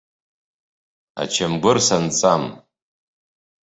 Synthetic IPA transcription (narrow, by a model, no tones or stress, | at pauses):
a̰t͡ʃʰamɡʷʊrsant͡sʼam